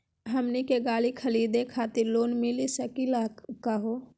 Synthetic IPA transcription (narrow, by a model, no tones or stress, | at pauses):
ɦəmnikeɡaːlikʰəliːd̪ekʰaːt̪iɾloːnmilisəkilakəɦo